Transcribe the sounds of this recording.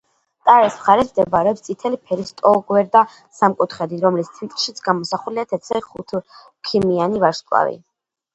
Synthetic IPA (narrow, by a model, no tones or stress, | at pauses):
t̪ʼaɾɛsmχaɾɛsʰmd̪ɛbaɾɛɔpst̪sʼit̪ʰɛlipʰɛɾist̪ʼɔɡwɛɾd̪a | samkʼut̪ʰχɛd̪iɾɔmlist̪ʰit̪ʼʃit̪sʰɡamɔsaχuliat̪ʰɛt̪sɛχut̪ʰ | kʰimianivaɾʃkʼwa̰vḭ